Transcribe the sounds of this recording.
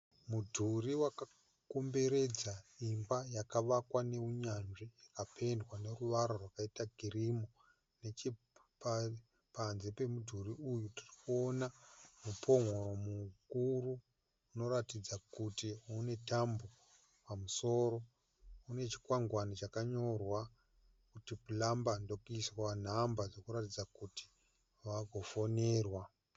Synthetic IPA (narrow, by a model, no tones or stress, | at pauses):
mudʱuɾiwaka | kombe̞ɾe̞d͡zaimbajakaʋakwane̞uɲanʐijakapʰe̞ndwane̞ruʋaɾorwakaitaɡʱirimo | net͡ʃi | pa | panze̞pe̞mudʱuriujutirikuonamupʰo̞ŋoɾo̞mukuruː | no̞ɾatid͡zakutiune̞tambo | pamuso̞ɾo̞ | une̞t͡ʃi̥kwaŋɡwanit͡ʃakaɲo̞rwa | kutipulambando̞kuiswan̤ambaʐo̞kuɾatid͡zakuti̥ | ʋaɡʱo̞fone̞ːrwa